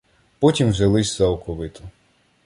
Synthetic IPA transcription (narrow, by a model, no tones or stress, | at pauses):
pɔtʲimwzʲɐlˠɪsʲzɐwkɔʋɪt̪ʊ̥